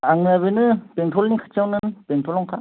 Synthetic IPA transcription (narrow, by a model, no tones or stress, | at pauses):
aŋaβɯnɯpeŋtʰɔlnikʰḁt͡ʃʰawnɯnpeŋtʰɔlɔŋkʰa